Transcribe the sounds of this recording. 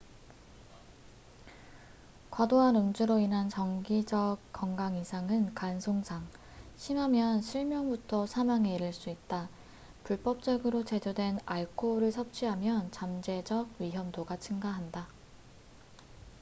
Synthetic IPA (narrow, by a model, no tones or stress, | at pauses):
kwadoɦanɯŋd͡ʑuɾoinɦant͡ɕʌŋɡid͡ʑʌk̚k͈ːʌŋɡaŋisʰaŋɯnkansʰoŋsʰaŋ | ɕʰimɦamjʌnɕʰiɭmjʌŋbutʰʌsʰamaŋeɾiɭs͈uit̚t͈a | puɭp͈ʌp̚t͡ɕ͈ʌɡɯɾot͡ɕe̞d͡ʑʌdwe̞naɭkʰoɾɯɭsʰʌp̚t͡ɕ͈ʰiɦamjʌnt͡ɕamd͡ʑe̞d͡ʑʌɡ̚ɥiɦjʌmdoɡat͡ɕʰɯŋɡaɦanda